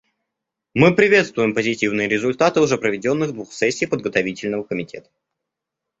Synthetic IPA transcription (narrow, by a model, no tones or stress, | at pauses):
mɨpɾʲɪvʲe̞t̪st̪vʊjɪmpəzʲɪtʲivnɨjəɾʲɪzʊlʲt̪at̪ɨʊʐɛpɾəvʲɪdʲo̞nːɨɣd̪vuxsɛsʲːiːpəd̪̚ɡət̪ɐvʲitʲɪlʲnəvəkəmʲɪtʲʰḛt̪ə̥